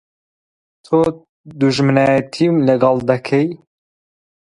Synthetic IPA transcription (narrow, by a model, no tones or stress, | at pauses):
t̪ʰo | d̪uʒmɨnajɛt̪ʰimlɨɡɑld̪ɐkʰɛj